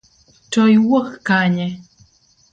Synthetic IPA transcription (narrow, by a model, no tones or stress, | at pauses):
tɔjwokːaɲɛ